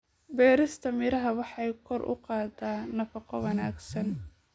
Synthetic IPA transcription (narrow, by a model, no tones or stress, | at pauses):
bɛːɾɪst̪ʰɐmɪɾɐɦɐwɑħɑjkʰɔrʔʊ̰qɑːd̪aːnɐfɑqɔwɐnaːɡsɐn